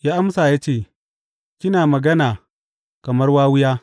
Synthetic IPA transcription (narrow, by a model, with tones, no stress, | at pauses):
jaː˦ʔa˦msaː˨jaː˦t͡ʃeː˦˨ | kʲɪ˦naː˨mɐ˨ɡɐ˦naː˨ | kɐ˨mɐ˦rwaː˦wʊ˦jaː˦